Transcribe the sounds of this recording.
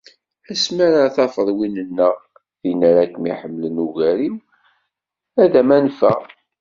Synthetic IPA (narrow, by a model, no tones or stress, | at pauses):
æsmaɾaθɑfəðˤwinənːəʁ | ðinəɾækːmiħəmːlənuɣæɾiw | æðæmænfæ